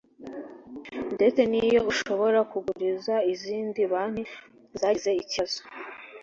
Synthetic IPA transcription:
nde̞t͡se̞nijo̞uʃo̞βo̞ɾakuɡuɾizaiziːndiβaːn̥hu | zaːize̞icaz̥o̥

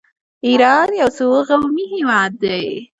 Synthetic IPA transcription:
iɾɑd̪jawsoɣawmiɦewɑd̪ːaj

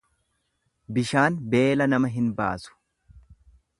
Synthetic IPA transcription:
bɪʃaːnbe̞ːlɐnɐmɐɦɪnba̰ːsʊ̥

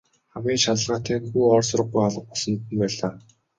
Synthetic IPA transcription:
χamɡʲiːnʃat̪ə̆ɮʁaːt̪ʰæːŋxuːɔːrsʊɾə̆ɢɡujɔɮə̆q̚pɔɮsɞ̆nt̪ɘ̆npæːɮaː

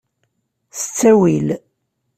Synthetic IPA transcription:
θə̥t͡sːæwil

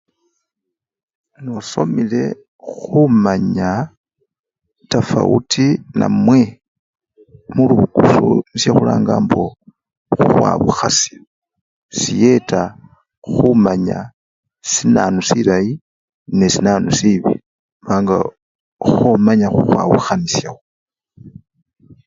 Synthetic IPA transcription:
nosomile̞ | xumaɲa | tafa̰ʔṵtʰina̰mwe | muluβuɡusonisjexula̰ːŋɡaːmbo̞ | xuxwa̰βuxasja | sije̞ta | xumaɲa | sinanusilaji | nesinanusiβḭ | βaːŋɡa | xomaɲaxuxwaβuxanisjaxo

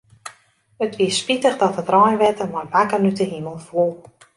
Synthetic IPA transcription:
ətʋiəspitəχdɔtətrɔjnʋɛtəmarʋakərnytəɦiməlˠfuəlˠ

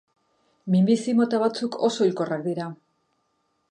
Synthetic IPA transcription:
mimbisimo̞t̪aβ̞at͡sukʰo̞so̞ilko̞rak̚d̪iɾa

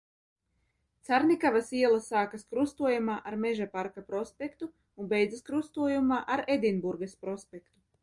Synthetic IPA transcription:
t̪saɾnikavasiɛlˠasaːkaskɾust̪uɔjamaːʔaɾmeʒapaɾkapɾɔspʲekt̪u | unbɛjd̪zaskɾust̪uɔjumaːʔaɾed̪inbuɾɡɐspɾɔspʲekt̪u

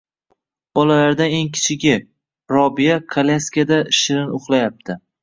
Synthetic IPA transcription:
b̥ɒlalaɾd̪ane̞ŋkʲʰɪ̥t͡ʃʰɪɡʲɪ | ɾɒbijakʰalʲaskʲad̪aʃɪɾɪnʊχlˠajap̚t̪ʰɪ

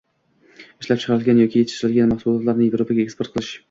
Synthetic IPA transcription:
ɪʃlap̚t͡ʃʰɨ̥qʰɑɾɪlˠɡʲanjɒkʲijet̪ʰɪ̥ʃɾɪlɡʲanmɑχsulˠɒt̪lˠaɾnɪjevɾopʰaɡʲaekspoɾt̪qʰɨlˠɪʃ

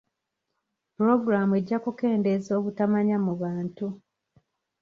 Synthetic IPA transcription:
pɾo̞ɡɾamue̞ɟːakuke̞ːnde̞zo̞ːβutamaɲamuβaːntu

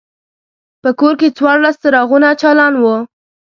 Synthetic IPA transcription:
pəkoɾket͡swɑɾlast̪aɾɑɣunat͡ʃɑlɑnwə

